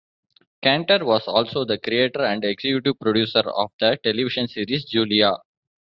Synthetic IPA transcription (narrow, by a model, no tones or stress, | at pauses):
kæ̃ɳʈəɾʋɔːzɔːlsoːd̪əkɾieːʈəɾæ̃ɳɖeɡsekjʊʈiʋpɾoɖjuːsəɾɔ̰ːʋd̪əʈeliʋɪʃə̃nsiːɾisd͡ʒuːlia